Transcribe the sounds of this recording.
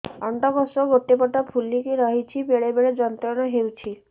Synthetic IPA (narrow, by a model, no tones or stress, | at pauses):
ɔɳɖɔbɔsɔɡoʈːepɔʈapʰulikeɾɔɦit͡ʃʰibeɭebeɭed͡ʒɔnt̪ɾɔnɔɦewt͡ʃʰi